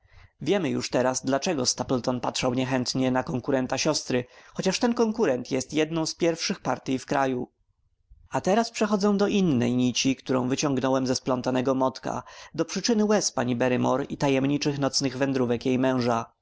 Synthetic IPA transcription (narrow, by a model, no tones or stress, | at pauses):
vʲjɛmɘjṵʂt̪ɛɾazd̪lat͡ʂɛɡɔst̪aplt̪ɔnpatʂawɲɛxɛnt̪ɲɛnakɔŋkuɾɛnt̪aɕɔst̪ɾɘxɔt͡ɕaʂt̪ɛnkɔŋkuɾɛnt̪jɛst̪jɛd̪nɔ̃w̃spʲjɛɾfʂɘxpaɾt̪ʲjifkɾaju | at̪ɛɾaspʂɛxɔd̪zɛ̃w̃d̪ɔʔinːɛjɲit͡ɕikt̪uɾɔ̰̃w̃vɘt͡ɕɔ̃ŋɡnɔwɛmzɛsplɔnt̪anɛɡɔmɔt̪ka̰d̪ɔpʂɘt͡ʂɘnɘwɛspaɲibɛɾɘmɔɾit̪ajɛmɲit͡ʂɘxnɔt̪snɘɣvɛnd̪ɾuvɛkjejmɛ̃w̃ʐa